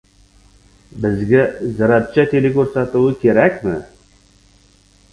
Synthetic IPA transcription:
bɪzɡʲazɑɾap̚t͡ʃʰat̪ʰelekʲɵɾsat̪uwəkʲʰe̞ɾækʲmɪ̰

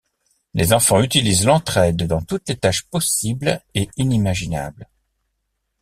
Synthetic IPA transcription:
lʔezɑ̃fɑ̃yt̪ilizlɑ̃t̪χɛd̪ːɑ̃t̪ut̪let̪aʃpɔsibleinimaʒina̰bl

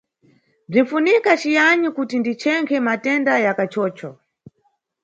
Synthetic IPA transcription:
b͡ʐin̩funikat͡ʃijaɲikutindit͡ʃʰɛŋkʰɛmatɛndajakat͡ʃɔːt͡ʃɔ

